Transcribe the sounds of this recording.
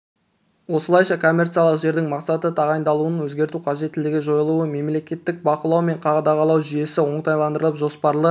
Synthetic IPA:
wo̞səlˠɑjʃɑkʰo̞mʲːe̞rt̪sijalˠəqʒe̞ɾd̪ɪŋmɑqsɑt̪ət̪ʰɑʁɑjnd̪ɑlˠuənwɵzɡʲe̞ɾt̪uqʰɑʒe̞t̪ːɪlɪɡʲɪʒo̞jəlˠuəme̞mle̞kʲe̞t̪ːɪk̚bɑqəlˠɑwme̞ɴqʰɑʁɑd̪ɑʁɑlˠɑwʒʏje̞sɪwo̞ɴt̪ɑjlˠɑnd̪əɾəlˠəpʒo̞spɑɾlˠə

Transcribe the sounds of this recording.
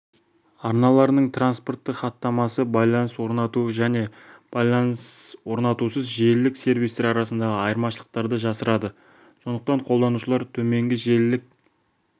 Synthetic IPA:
ɑɾnɑlˠɑɾnəɴt̪ʰranspo̞rt̪ːəχɑt̪ːɑmɑsəbɑjlˠɑnəswo̞ɾnɑt̪uʒæne̞b̥ɑjlˠɑnswo̞ɾnɑt̪usəzʒe̞lːɪkse̞ɾvijst̪eɾɑɾɑsənd̪ɑʁəɑjəɾmɑʃəlˠə̥q̚t̪ɑɾd̪əʒɑsəɾɑd̪ə | so̞nd̪əq̚t̪ɑɴqʰo̞lˠd̪ɑnuʃəlˠɑɾt̪ʰɵme̞ŋɡʲɪʒe̞lːɪk̚

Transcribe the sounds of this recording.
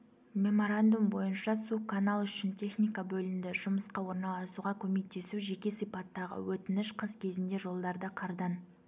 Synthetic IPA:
mʲe̞mo̞ɾand̪umbo̞jənʃɑsukʰːanalˠʏʃɪnt̪ʲʰe̞χnijkabɵlɪmd̪ɪʒ̥ʊməsqɑwo̞ɾnɑlˠɑsuʁɑkʲʰɵme̞k̚t̪e̞suʒe̞kʲe̞sijpɑt̪ːɑʁə̰wɵt̪ɪnɪʃqʰəzkʲʰe̞zɪnd̪e̞ʒo̞lˠd̪ɑɾd̪ɑqʰɑɾd̪ɑn

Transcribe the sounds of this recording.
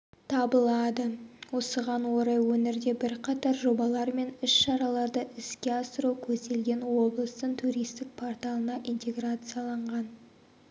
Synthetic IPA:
t̪ʰɑbəlˠɑd̪əwo̞səʁɑnwo̞ɾɑjwɵneɾd̪e̞bɪɾqʰɑt̪ɑɾʒo̞bɑlˠɑɾme̞nʏsʃɑɾɑlˠɑɾd̪əʔɪskʲe̞ɑsəɾuwkʲʰɵzd̪e̞lɡʲe̞nwo̞blˠəst̪əɴt̪ʰuɾijst̪ɪk̚pʰo̞rt̪alˠənɑʔint̪ʲe̞ɡrat̪sɨjɑlˠɑɴʁɑn

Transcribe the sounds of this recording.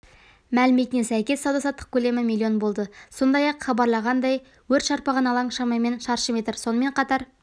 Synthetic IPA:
mælɪmet̪ɪnesæjkʲe̞sːɑwd̪ɑsɑt̪ːə̥q̚kʲʰɵle̞mɪmilʲːˠionbo̞lˠd̪əso̞nd̪ɑjɑqχɑbɑɾlˠɑʁɑnd̪ɑj | wɵɾt̪ʃɑɾpɑʁɑnɑlˠɑɴʃɑmɑjme̞nʃɑɾʃəmet̪əɾso̞nəme̞ɴqʰɑt̪ɑɾ

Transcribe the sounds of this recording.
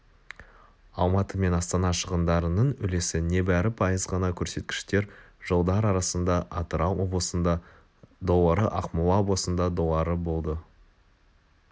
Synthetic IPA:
ɑlˠmɑt̪əme̞nɑst̪ɑnɑʃəʁənd̪ɑɾənəɴʏle̞sɪne̞bæɾɪpʰɑjəzʁɑnɑkʲʰɵɾse̞t̪kʲɪ̥ʃt̪e̞ɾʒolˠd̪ɑɾɑɾɑsənd̪ɑʔɑt̪əɾɑwobəs | d̪o̞lˠɑɾəʔɑqmolˠɑoblˠəsənd̪ɑd̪o̞lˠɑɾəbo̞lˠd̪ə

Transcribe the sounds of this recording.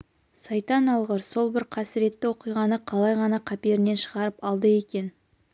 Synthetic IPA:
sɑjt̪ɑnɑlˠʁəɾso̞lˠbɪɾqʰɑsɪɾe̞t̪ːɪwo̞qijʁɑnəqʰɑlˠɑjʁɑnɑqʰɑpie̞ɾɪne̞nʃəʁɑɾəpɑlˠd̪əe̞kʲe̞n

